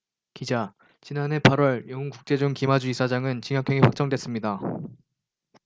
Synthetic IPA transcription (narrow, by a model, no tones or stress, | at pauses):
kid͡ʑa | t͡ɕinane̞pʰaɾwʌɭjʌŋɯnkuk̚t͡ɕ͈e̞d͡ʑuŋkimad͡ʑuisʰad͡ʑaŋɯnt͡ɕiŋjʌkʰjʌŋiɸwak̚t͡ɕ͈ʌŋdwe̞s͈ɯmɲida